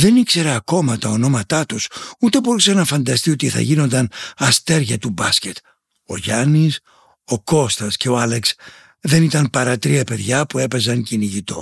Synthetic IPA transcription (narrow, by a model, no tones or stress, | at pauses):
ðe̞nikse̞ɾɐːko̞mɐt̪ɐo̞no̞mɐt̪ɐt̪usut̪e̞bo̞ɾusɐnɐfɐnd̪ɐst̪io̞t̪iθɐ̰ʝino̞nd̪ɐnɐst̪e̞ɾʝɐt̪ubɐsce̞t̪ | oʝɐnis | o̞ko̞st̪ɐsce̞oɐleks | ðe̞nit̪ɐnpɐɾɐt̪ɾiɐpe̞ðʝɐpue̞pe̞zɐŋciniʝit̪o̞̰